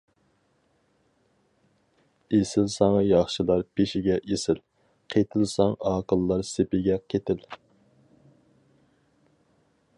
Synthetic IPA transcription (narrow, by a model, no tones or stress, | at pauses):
esɪlsɑŋɑjɑχʃilˠɑɾpʰeʃɪɡʲɛʔesɪl | qʰet̪ʰɪlˠsɑŋɑːqəlˠːɑɾsepɪɡʲɛkʲʰet̪ɪl